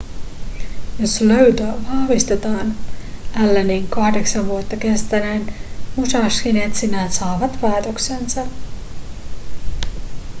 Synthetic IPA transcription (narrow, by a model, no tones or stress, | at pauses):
josløɥt̪øʋɑhʋist̪et̪ɑːnælːeniŋkɑhdeksɑʋʋuot̪ːɑkest̪ænænmusɑskinet̪sinæsɑːʋɑt̪ʋɑet̪oksensɑ